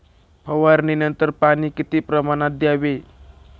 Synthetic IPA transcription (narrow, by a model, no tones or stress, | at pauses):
pʰəʋaɾninənt̪əɾpanikit̪ipɾəmanad̪jaʋe